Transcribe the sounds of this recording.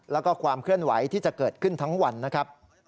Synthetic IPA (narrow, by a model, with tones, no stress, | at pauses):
lɛː˦˥wkɔː˥˩kʰwaː˧mkʰɯ˥˩ənwa˩˦jt̪ʰiː˥˩t͡ɕa˨˩ʔkɤː˨˩t̪̚kʰɯ˥˩nt̪ʰa˦˥ŋwa˧nːa˦˥kʰɾa˦˥p̚